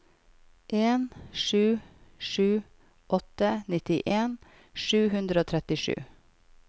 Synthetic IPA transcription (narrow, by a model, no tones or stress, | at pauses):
ʔeːnʃʉːʃʉː | ʔɔt̪ənɪt̪ɪʔeːn | ʃʉːhʉnd̪ɾəoːt̪ʰɾɛt̪ɪʃʉ̰ː